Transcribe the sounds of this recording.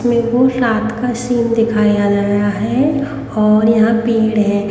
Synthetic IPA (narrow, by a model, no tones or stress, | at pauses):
mẽkoɾaːt̪ʰkasiːmd̪ɪkʰaːijad͡ʒaːjaɦɛ | ɔːɾjɐɦãpiːɽɦɛː